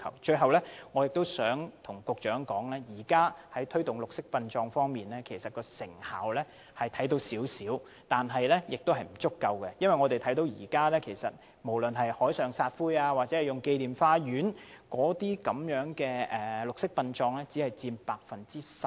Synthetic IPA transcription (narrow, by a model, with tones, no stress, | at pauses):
kʰɐ̰˨˩wt͡ʃɵ˧ɥɦɐ˨wlɛː˥ŋɔː˨˧jɪ˨k̚t̪o˥wsœː˨˥ŋt̪ʰʊ˨˩ŋkʊ˨k̚t͡ʃœː˨˥ŋkɔː˨˥ŋlɛː˥jiː˨˩kaː˥hɐ˨˥jt̪ʰɵ˥ɥt̪ʊ˨ŋlʊ˨k̚sɪ˥k̚pɐ˧nt͡ʃɔː˧ŋfɔː˥ŋmiː˨nlɛː˥kʰe˨˩jsɐ˨t̚kɔː˧sɪ̰˨˩ŋha̰ː˨˥wlɛː˥ | hɐ˨jt̪ʰɐ˨˥jt̪o˧wsiː˨˥wsiː˨˥w | t̪aː˨nɦɐ˨jlɛː˥jɪ˨k̚t̪whɐ˨jm̩˨˩t͡sʊ˥kːɐ˧wkɛ˧jɐ˥nwɐ˨jŋɔː˨˧t̪e˨jt̪ʰɐ˨˥jt̪o˧wjiː˨˩kaː˥lɛː˥kʰe˨˩jsɐ˨t̚ | mo˨˩wlɵ˨nɦɐ˨jhɔː˨˥jsœː˨˩ŋsaː˧t̚fuː˥jaː˧wa˨t̚t͡sɛ˨˥hɐ˨jʊ˨ŋke˧jliː˨mfaː˧jyː˨˥nkɔː˨˥t̪iː˥kɐ˨˥mjœː˨˥ŋkɛː˧ɛː˨˩lʊ˨k̚sɪ˥k̚pɐ˧nt͡ʃɔː˧ŋlɛː˥t͡siː˨˥hɐ˨jt͡siː˧npaː˧k̚fɐ˨nt͡siː˥sɐ˨˩p̚